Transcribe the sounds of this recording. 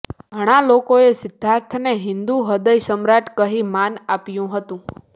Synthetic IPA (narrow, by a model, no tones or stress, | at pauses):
ɡʱəɽ̃alokoesɪd̪ʱːaɾt̪ʰneɦɪnd̪uɦəd̪əjsəmɾaʈkəɦimanapjũɦət̪ũ